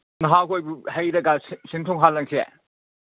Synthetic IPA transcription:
nɐɦakojbuhɐjɾɐɡassintʰɔŋɦalːɐŋsʰiḛ

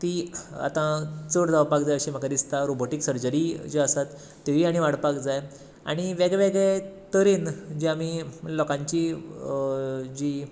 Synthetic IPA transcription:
t̪ia̰t̪ãt͡səɽd͡zaʋpakd͡zajəɕim̤akad̪ist̪aɾoboʈiksəɾd͡ʑəɾid͡ʑeəsat̪ː | eʋiaɽ̃iʋaɽpakd͡zaj | a̰ɽ̃iʋɛɡɭɛʋeɡɭɛt̪əɾiːnd͡ʑiamilɔkãɲt͡ɕi | d͡ʑi

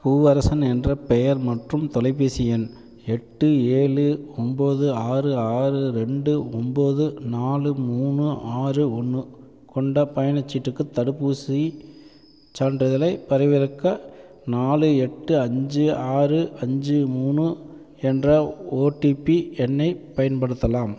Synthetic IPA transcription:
kuːʋɐɾɐsɐnɛndrɐpɛjɐɾmɐʈrɯmt̪ɔlɐɪpːisɪjɐn | ɛʈːɯeːɭɯɔmboːðɯaːrɯaːɾɯɯɾɛɳɖɯɔmboːðɯnaːlɯmuːnɯʔaːrɯɔnːɯ | kɔɳɖɐpɐjɐnɐt͡ʃːɪʈrɯkːɯt̪ːɐɽɯpːuːsi | t͡ʃaːɳɖɾɐðɪlɐɪpɐɾɐɪʋɪɾɯkːɐ | naːlɯɛʈːɯɐɲd͡ʒɯaːrɯʔɐɲd͡ʒɯmuːnɯ | ɛndrɐoːʈipiɛnːɐɪpɐjɐnpɐɽɯt̪ːɐlaːm

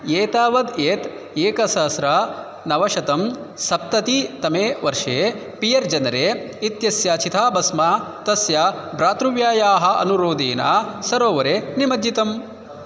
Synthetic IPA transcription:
jeːt̪aːʋɐd̪eːt̪ | eːkɐsɐsɾa | nɐʋɐʃɐt̪ɐm | sɐp̚t̪ɐt̪it̪ɐmeːʋɐɾʂeː | pijɐɾd͡ʒɐnɐɾeː | it̪jɐsjaːt͡ʃit̪ʰaːbɐsmaːt̪ɐsjabɾaːt̪ɾuʋjaːjaːɦɐ̆ɐ̰nuɾoːd̪eːna̰ːsɐɾoːʋɐɾenimɐd͡ʒ̪ːit̪ɐm

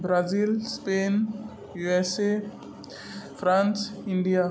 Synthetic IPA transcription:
bɾazilspen | juɛse | frãnsĩndia

